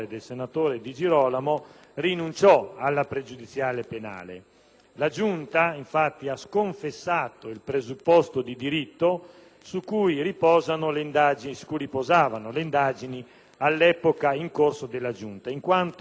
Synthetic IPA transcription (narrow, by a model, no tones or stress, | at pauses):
ed̪elsenat̪oːɾed̪id͡ʒiɾɔːlamo | rinunt͡ʃɔalːapɾed͡ʒud̪it̪sːjaːlepena̰ːlḛ | lad͡ʒunt̪aiɱfat̪ːiaskoɱfesːaːt̪oilpɾezupːɔst̪od̪id̪iɾit̪ːo | sukːujripɔːzanoleind̪aːd͡ʒinisu̥kuripozaːvanoleind̪aːd͡ʒini | alːɛpokaiŋkorsod̪elːad͡ʒunt̪aiŋkwant̪